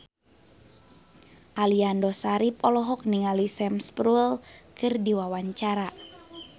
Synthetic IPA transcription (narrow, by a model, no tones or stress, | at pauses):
ʔaliandɔsaɾip̚ɔlɔɦɔk̚niŋalisɛmspɾuɛlkɨrdiwawaɲt͡ʃaɾa